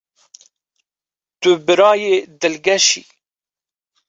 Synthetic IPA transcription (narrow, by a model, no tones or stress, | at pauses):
d̪̥ʊbəɾɑjed̪əlɡæʃḭ